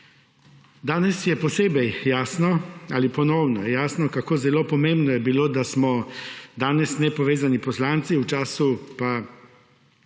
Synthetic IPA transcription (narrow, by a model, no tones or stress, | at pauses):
d̪aːnɛsjɛpɔseːbɛjjaːsnɔalipɔnɔwnɔjaːsnɔkakoːzɛloːpɔmẽmbnɔjɛbiloːd̪asmɔd̪aːnɛsnɛpɔʋeːzanipɔslaːnt̪siwt͡ʃaːsupa